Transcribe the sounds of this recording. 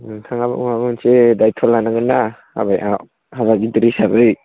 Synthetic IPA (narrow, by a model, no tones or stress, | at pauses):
tʰaŋaba̰maɡunsedajtʰɔlːanaɡɯnːaha̰baja | haβaidɾisabɯj